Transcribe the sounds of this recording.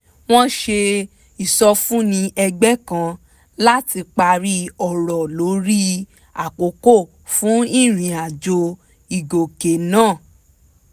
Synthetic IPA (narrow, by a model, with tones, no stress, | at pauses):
w̃ɔ̃˦ʃe˧ | i˨sɔ˧fũ˦nĩ˧ʔɛ˧ɡ͡bɛ˦kã˧ | la˦ti˧k͡pa˧ɾi˦ɔ˨ɾɔ˨lo˨˦ɾi˦ | a˨k͡po˨˦ko˦˨ | fũ˨˦i˦˨ɾ̃ĩ˨a˨d͡ʒo˧ | i˨ɡo˨ke˨nãː˦˨